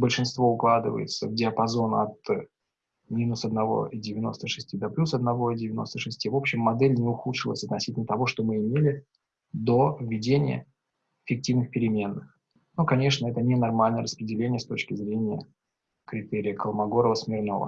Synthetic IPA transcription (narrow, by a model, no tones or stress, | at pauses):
bəlʲʂɨnst̪vo̞ʊklˠad̪ɨvə̰jɪ̰t̪səvdʲɪɐpɐzo̞nɐ̰t̪ | mʲinʊsɐd̪nɐvo̞̰idʲɪvʲɪno̞st̪əʂɨsʲtʲid̪ɐplʲusɐd̪̚nɐvo̞idʲɪvʲɪno̞st̪əʂɨsʲtʲivo̞pɕːɪmːɐd̪ɛlʲnʲɪʊxut̪ʂɨlˠə̰sʲɐt̪nɐsʲitʲlʲnət̪ɐvo̞ʂt̪o̞mɨɪmʲelʲɪ | d̪o̞vʲːɪdʲenʲɪjə̰ | ɪfʲɪk̚tʲivnɨxpʲɪɾʲɪmʲe̞nːɨx | nokɐnʲe̞ʂnəɛt̪ənʲɪnɐrmalʲnəjəɾəspɾʲɪdʲɪlʲenʲɪjəst̪o̞t͡ɕkʲɪzɾʲenʲɪjə̰ | kɾʲɪt̪eɾʲɪjəkəlˠmɐɡo̞ɾəvəsmʲɪrno̞̰və̰